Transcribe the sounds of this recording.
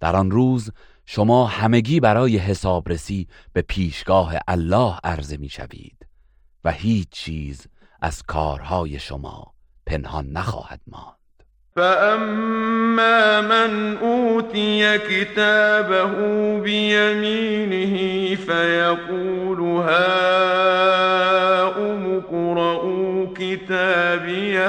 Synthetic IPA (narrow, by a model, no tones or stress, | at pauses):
d̪̥æɾɒnruːz | ʃomɒːhæme̞ɡiːbæɾɒːje̞ɦe̞sɒːbɾe̞siː | b̥e̞pʰiːʃɡ̥ɒːɦe̞̰ʔælːɒːhæɾze̞miːʃæ̰vḭːd̪̥ | væhiːt͡ʃʰt͡ʃːʰiːz | ʔæ̰z̥kʰɒːɾhɒːje̞ʃo̞̰mɒ̰ː | pʰe̞nhɒnːæxɒ̰ːhæ̰d̪̥̚mɒ̰ːnd̪̥ | faʔamː | aːmanʔuːt̪ɪjakɪt̪aːbaɦʊbɪjamiːnɪhɪfajaquːlʊɦaː | ʔʊmʊkɾˤɑʔukɪt̪aːbɪja